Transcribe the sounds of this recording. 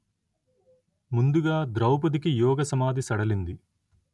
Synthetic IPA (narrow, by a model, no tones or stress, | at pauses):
mund̪uɡaːd̪ɾɐwpɐd̪ikijɔːɡɐsɐmaːd̪isɐɽɐlind̪i